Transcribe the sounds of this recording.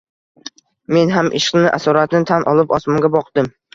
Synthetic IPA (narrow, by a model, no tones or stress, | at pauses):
me̞nɦamʔɪ̰ʃqnɪʔa̰sɒɾat̪nɪt̪ʰanʔɒlˠɪpɒsmɒŋɡʲabɒqd̪̥ɪm